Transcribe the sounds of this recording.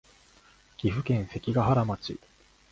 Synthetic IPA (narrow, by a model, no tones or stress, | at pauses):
kʲiɸɯ̟kẽ̞ɰ̃se̞kʲiɡahaɾamat͡ɕḭ